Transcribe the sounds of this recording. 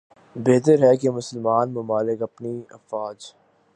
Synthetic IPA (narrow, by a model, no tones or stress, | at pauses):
beːt̪əɾɦɛkemʊsəlmaːnmʊmaːlɪkɐpniɐ̰faːd͡ʒ